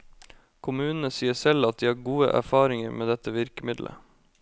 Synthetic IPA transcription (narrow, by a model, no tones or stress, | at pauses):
kʰʊmʉːnn̩əsiːəsɛlɑt̪̚d̪iːhɑːɾɡuːə̰ʔæ̰ɾfɑːɾɪŋəɾmʔeːd̪ɛt̪əʋɪɾkəmɪd̪lʔə̰